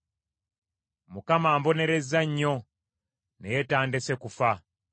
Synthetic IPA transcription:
mukamaːmbo̞ne̞ɾe̞zaɲːo̞ | nejetaːndese̞kufa

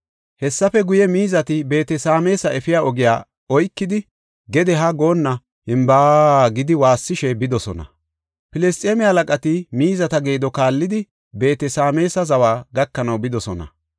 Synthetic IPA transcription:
hɛsːɐfɛɡʊjɛmiːzɐt̪ɪbe̞ːt̪ɛsaːme̞ːsɐʔɛfɪjaːɔɡɪjaː | ɔjkːɪd̪ɪ | ɡɛd̪ɛɦɐɡo̞ːnːɐ | hɪmbaːɡɪd̪ɪwaːsːɪʃɛbɪd̪ɔsɔ̰nɐ̰ | pɪlɛst̪ʼeːmɪhɐlɐkʼɐt̪ɪmiːzɐt̪ɐɡe̞ːd̪ɔkaːlːɪd̪ɪ | be̞ːt̪ɛsaːme̞ːsɐzɐwaːɡɐkːɐnɐwbɪd̪ɔsɔnɐ̰

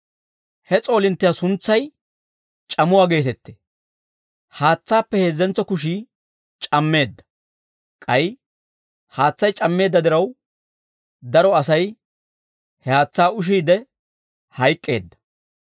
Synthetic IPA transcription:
hɛt͡sʼo̞ːlɪnt̪ːɪjasʊnt͡sːɐj | t͡ʃʼɐmʊwaːɡe̞ːt̪ɛt̪ːe | haːt͡sːaːpːɛhe̞ːzːɛnt͡sːɔkʊʃiː | t͡ʃʼɐmːe̞ːd̪ːɐ̥ | kʼɐj | haːt͡sːɐjt͡ʃʼɐmːe̞ːd̪ːɐd̪ɪɾɐw | d̪ɐɾɔɐsɐj | hɛhaːt͡sːaːʊʃ̬iːd̪ɛ | hɐjkʼːe̞ːd̪ːɐ̥

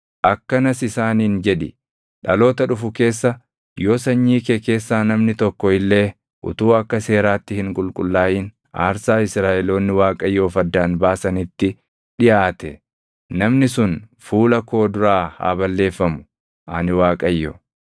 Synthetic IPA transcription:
ʔɐkːɐnɐsɪsaːniːnd͡ʒɛᶑɪ | ᶑɐlo̞ːt̪ɐᶑʊfʊke̞ːsːɐ | joːsɐɲːiːkeke̞ːsːaːnɐmnɪt̪ɔkːɔɪlːe̞ː | ʔʊ̰t̪uːɐkːɐse̞ːɾaːt̪ːɪhɪŋkʼʊlkʼʊlːaːʔiːn | a̰ːɾsaːɪsɾaːʔɛlo̞ːnːɪwaːkʼɐjːo̞ːfɐd̪ːaːnbaːsɐnɪt̪ːɪ | ᶑɪjaːt̪ɛ | nɐmnɪsʊnfuːlɐko̞ːd̪ʊɾaːha̰ːbɐlːe̞ːfːɐmʊ̥ | ʔɐnɪwaːkʼɐjːɔ

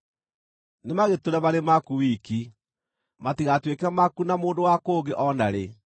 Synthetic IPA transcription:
nemaɣetoɾɛmaɾemakuwiki | matiɣatwekɛmakunamoːndowakoːɡeʔɔnaɾe

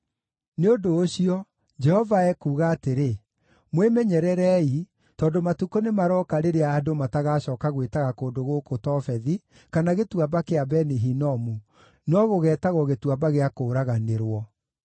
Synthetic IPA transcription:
neondoːɕiɔ | d͡ʒɛhɔvaɛkuːɣaːteɾe | mwemɛɲɛɾɛɾɛi | tɔːndomatukonemaɾɔːkaɾeɾeaːdomataɣaɕɔːkaɣwetaɣakoːndoɣokotɔfɛði | kanaɣetuabakeabɛniɦinɔmu | nɔɣoɣɛːtaɣɔɣetuabaɣeakoːɾaɣaneɾwɔ

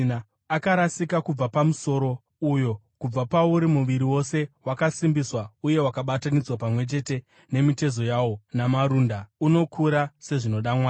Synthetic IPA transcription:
na | akaɾasikakub͡vapamuso̞ɾo̞ | ujo̞ | kub͡vapauɾimuʋiɾiwo̞se̞wakasimbiswauje̞wakaɓatanid͡zwapamwe̞t͡ʃe̞te̞ | ne̞mite̞zo̞jawo̞namaɾundauno̞kʰuɾase̞ʐino̞ɗamwaː

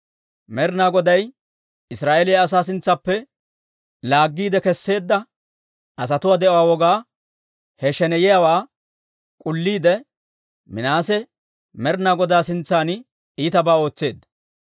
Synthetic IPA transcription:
mɛɾnaːɡɔd̪ɐj | ɪsɾaːʔelɪjɐs̬aːs̬ɪnt͡sːɐpːɛ | laːɡːiːd̪ɛkɛsːe̞ːd̪ːɐ | ʔɐs̬ɐt̪ʊwaːd̪ɛʔɔwaːwɔɡaː | hɛʃɛnɛjɪjawaː | kʼʊlːiːd̪ɛ | mɪnaːsɛ | mɛɾnaːɡɔd̪aːsɪnt͡sːaːn | iːt̪ɐbaːo̞ːt͡sːe̞ːd̪ːɐ

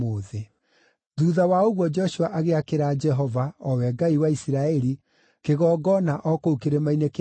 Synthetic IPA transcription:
oðe | ðuðawaoɣwɔd͡ʒɔʃuaʔaɣeakeɾaːd͡ʒɛɦɔvaɔwɛɡaiwaisiɾaɛɾi | keɣɔːɡɔnaʔɔkoukeɾemainek

